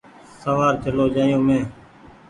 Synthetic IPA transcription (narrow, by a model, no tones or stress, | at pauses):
səʋaːɾt͡ʃəloːd͡ʒaːjõːmẽː